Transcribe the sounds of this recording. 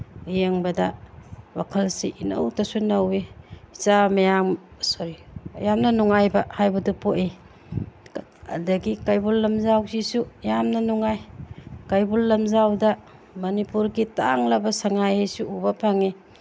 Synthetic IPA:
ujeŋbɐdɐwakʰɐlsiʔinɐ̰wtɐsunɐwezamajaŋsoɾijamnɐnuŋajbɐhajbɐdupoʔe | dɐɡikajbulːɐmzawzisujamnɐnuŋajkajbulːɐmzawdɐ | mɐnipuɾɡita̰ŋlɐbɐsaŋajhejsuubɐpʰaŋi

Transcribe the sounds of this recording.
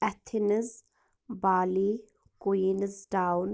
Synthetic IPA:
ʔɐt̪ʰinɨz | baːli | ɡ̥ujinɨzdawn

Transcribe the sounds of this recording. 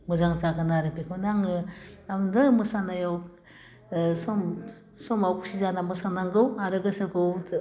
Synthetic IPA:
mɯzaŋzaɡɯnaɾɯpekʰonaŋɯadɯmɯsanajaw | sɔm | sɔmawkusizanamɯsanaŋɡɯwaɾɯɡɯsɯɡɯw

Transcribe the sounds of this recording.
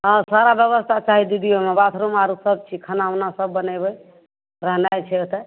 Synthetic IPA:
ãsaɾabjəβəst̪ʰat͡ʃaɦid̪ud̪ijomebat̪ʰɾomaɾusəb̚t͡ʃʰikʰənanasəbːənajbəj | ɾaɦnajt͡ʃʰɛot̪ə

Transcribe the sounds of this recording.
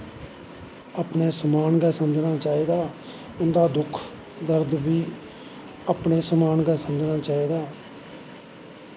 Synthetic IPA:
aːpɳeːsəmaːnɡɛːsəməd͡ʒnaːt͡ʃaːiːd̪aː | ʊnd̪aːd̪ʊkʰ | d̪əɾd̪biː | aːpɳeːsəmaːnɡɛːsəməd͡ʒnaːt͡ʃaːiːd̪aː

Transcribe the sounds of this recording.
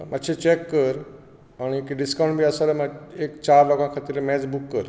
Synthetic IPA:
mat̪ːt͡ɕʰet͡ɕɛkːəɾ | aɽ̃ikiɖiskaw̃ɳʈbʱiːəsalamaekt͡ɕaɾloɡãkʰat̪iːɾmɛd͡zbukːəɾ

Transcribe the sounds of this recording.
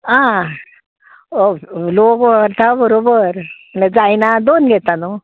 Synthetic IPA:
ɦã | olokʋəɾt̪ʰabəɾobəɾməned͡zajnad̪onɡʱɛt̪anu

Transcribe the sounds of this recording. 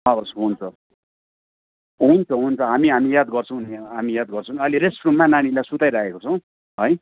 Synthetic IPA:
ʌosɦunt͡sʰʌ | ɦunt͡sʰʌɦunt͡sʰʌɦamiɦamijad̪ɡʌrt͡sʰʌ̃w̃neɦamijad̪ɡʌrt͡sʰʌ̃ʌliɾesʈromːananilajsut̪ajɾakekot͡sʰʌw̃ | ɦʌj

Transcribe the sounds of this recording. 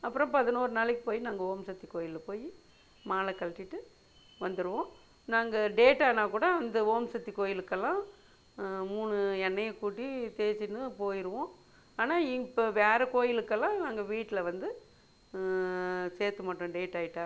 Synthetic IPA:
ɐpːɯɾõpɐðɯnoːɾɯnaːɭɪkːɯpoːjinaːŋɡɐɦoːmsɐt̪ːikoːjɪlɐpoːji | maːlɐkːɐlʈːɪʈːɯ | ʋɐnd̪ɯɾɯʋõː | naːŋɡɐɖeːʈːaːnaːkuːɽɐɐnd̪ɐɦoːmsɐt̪ːikoːjɪlɯkːɐlːãː | muːnɯɛnːɐjɐkːuːʈːit̪eːt͡ʃɪnːɯpoːjɪɾɯʋõː | aːnaːɪŋpʋeːɾɐkoːjɪlɯkːɐlːãːnaːŋɡɐʋiːʈːɪlɐʋɐnd̪ɯ | seːɾt̪ːɯmaːʈːʊ̃ɖeːʈːaːjɪʈːaː

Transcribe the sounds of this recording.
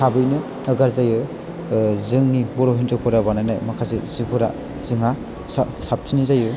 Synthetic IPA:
tʰabɯjnɯː | ɡaɾzajɯ | zɯŋnibɔɾoɦintɯpʰɔɾabanajnajmakʰazḛzipʰɯɾa̰ | z̥ɯŋa | ssap̚tinizajɯ

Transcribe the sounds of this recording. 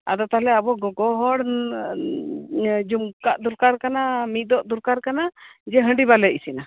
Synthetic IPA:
a̰d̪ɔt̪aɦlɛabɔɡɔɡɔɦɔɽ | d͡ʒumkaʔd̪uɾkaɾkanamit̪̚ˀd̪ɔʔd̪uɾkaɾkanad͡ʒɛɦəɳɖiβalɛisina

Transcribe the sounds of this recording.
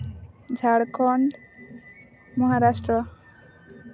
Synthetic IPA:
d͡ʒʱaɽkʰɔɳɖ | mɔɦaɾasʈɾɔ

